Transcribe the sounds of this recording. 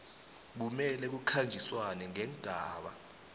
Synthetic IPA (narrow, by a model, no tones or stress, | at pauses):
ɓumɛlɛk̬ukʰand͡ʒʱiswanɛŋɛŋkʼaːɓa